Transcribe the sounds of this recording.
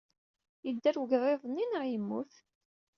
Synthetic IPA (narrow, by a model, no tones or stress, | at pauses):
jəd̪ːæɾwəʝðˤeðˤnːinʕjimːṵθ